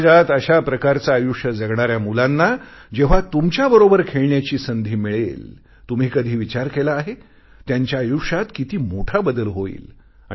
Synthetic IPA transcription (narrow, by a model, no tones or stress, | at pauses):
d͡zat̪əɕapɾəkaɾt͡saːjuʂjəd͡zəɡɳaɾjamulanːad͡ʑeʋ̤at̪umt͡ɕjabəɾobəɾkʰeɭɳjat͡ɕiːsənd̪ʱiːmiɭḛl | t̪um̤iːkəd̪ʱiːʋit͡ɕaɾkelaːɦe | t̪jaɲt͡ɕjaːjukʂat̪kit̪iːmoʈʰabəd̪əlɦoḭːl | a̰